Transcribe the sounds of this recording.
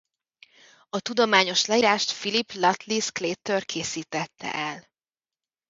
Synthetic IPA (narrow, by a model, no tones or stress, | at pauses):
ɒt̪ud̪o̞maːɲo̞ʃlɛiːɾaːʃt̪filiplɒt̪liskleːt̪ːørkʰeːsiːt̪ɛt̪ːɛ̰ʔɛl